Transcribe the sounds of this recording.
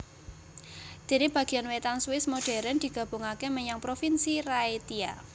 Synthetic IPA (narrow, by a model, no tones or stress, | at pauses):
d̪̥e̤neb̥a̤ɡ̥i̤janwet̪answɪsmoɖ̥ɛ̤ɾɛnd̪̥i̤ɡ̥a̤b̥o̤ŋakeməɲaŋpɾofinsiɾaet̪ia̰